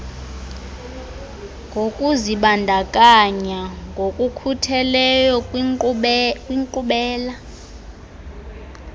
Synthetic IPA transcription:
ŋɡʱokʼuziɓandʱakʼaɲaŋɡʱokʼukʰutʰɛlɛjɔ | kʼwiŋǃuɓɛːla

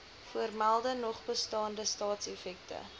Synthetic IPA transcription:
fuərmælˠdənɔχbəstɑːndəstɑːtsefɛk̚tə̰

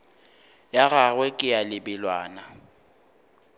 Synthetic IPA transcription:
jaɣaɣwɛkʼɪjalɪbɪlwa̰ːna

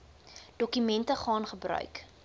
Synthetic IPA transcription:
d̥ɔkymɛntəχɑːnχəbrœ̰ɥk

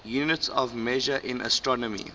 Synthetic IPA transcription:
juːnɪtsɔvmeʒəʔɪ̃nə̰stɹɔnɔmḭ

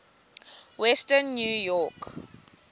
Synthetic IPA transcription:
wɛstənːjujɔk

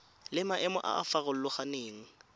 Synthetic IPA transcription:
lɪmaʔɛmɔʔa̰ʔa̰faɣʊl̩lʊχaneːŋ̩

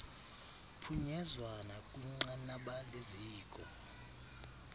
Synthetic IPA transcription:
pʰuɲɛzwanakʼuŋ͡ǃanaɓaleziːkʼɔ

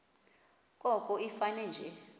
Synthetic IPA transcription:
kʼɔkʼɔifanɛnd͡ʒʱɛ

